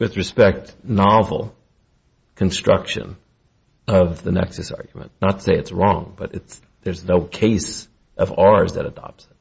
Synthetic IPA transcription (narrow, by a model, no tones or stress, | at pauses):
wɨðɹɨspɛk̚tnɑvl̩ˠ | kʰɨ̃nstɹ̥ʌ̰kʃɨ̰̃n | ʌvðɨnɛ̰ksɨsɑ̰ɹɡjmɨ̰̃nnətʰseɪɨtsɹɔ̃ŋb̥ʌɾɨts | ðə˞znoʊkʰeɪs | ʔʌvɑɹzðɨ̰ɾɨdɑ̰p̚tsɪ̥t̚